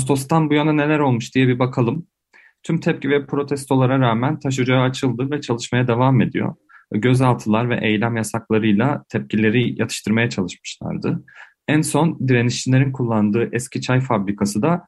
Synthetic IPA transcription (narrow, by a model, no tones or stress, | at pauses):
st̪o̞st̪anbujanane̞lʲæɾo̞lˠmuʃd̪ijɛbibakʰalˠɯm | t̪ʰymt̪ʰɛp̚civɛpʰɾo̞t̪ʰɛst̪ʰo̞lˠaɾaɾaːmænt̪ʰaʃ̬ɯd͡ʒaaːt͡ʃʰɯlˠd̪ɯvɛt͡ʃʰalˠɯʃmajad̪evame̞d̪ḭjo̞̰ | ɟø̞zalˠt̪ʰɯlˠaɾvɛ̰ʔejlʲæmjasaklˠaɾɯjlˠat̪ʰɛp̚cilʲe̞ɾijat̪ʰɯ̥ʃt̪ʰɯɾmajat͡ʃʰalˠɯʃmɯ̥ʃlˠa̰ɾd̪ɯ | ænso̞nd̪iɾeniʃt͡ʃʰilʲeɾinkʰulˠːand̪ɯːʔɛscʰit͡ʃʰajfabɾikʰasɯd̪a